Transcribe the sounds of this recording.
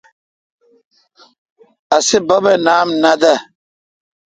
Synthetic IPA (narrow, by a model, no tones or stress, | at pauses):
asibabɛnaːmnada